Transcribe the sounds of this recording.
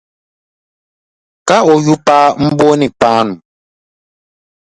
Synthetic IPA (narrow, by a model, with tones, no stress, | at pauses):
ka˦ɔ˨ju˦pa˦m̩˦bo˦ni˨k͡paː˦nu˨